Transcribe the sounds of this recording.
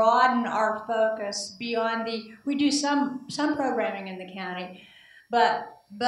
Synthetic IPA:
ɑdⁿn̩a̰ʊə˞foʊkɨsb̥iɑ̃nðɨwidɨsʌ̃msʌ̃mpʰɹ̥oʊɡɹæ̃mɪ̃ŋɨ̃nðɨkʰãʊ̃ɾ̃i | b̥ʌt̚bʌ

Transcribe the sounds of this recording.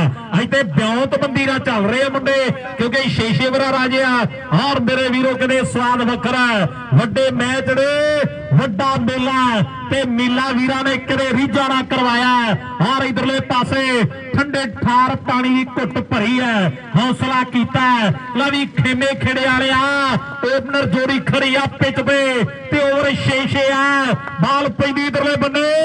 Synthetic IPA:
əɪt̪eːbjãːt̪bə̃nd̪iːɾaːt͡ʃəlɾeːaːməɳɖeː | kjõːkeʃeːʃeːbəɾaːɾaːd͡ʒeːaː | ɔːɾmeːɾeːʋiːɾoːkɪd̪eːsʋaːd̪ʋəkʰəɾɛː | ʋəɖeːmɛ̃ːt͡ʃɽeː | ʋəɖaːmeːlaː | t̪eːmɪːlaːʋiːɾaːneːkəd̪eːɾiːd͡ʒaːnaːkəɾʋaːjaː | ɦaːɾid̪əɾleːpaːseː | ʈʰə̃ɳɖeːʈʰaːɾpaːɽ̃iːd̪iːkʊʈpəɾiːɛː | mɔːsəlaːkiːt̪aːləʋiːkʰeːneːkʰeːɽeːaːleːaː | oːpnəɾd͡ʒoːɾiːkʰəɽiːaːpɪt͡ʃbeː | t̪eːoːɾeʃeːʃeːaː | baːlpə̃ːd̪iːd̪əɾleːbəneː

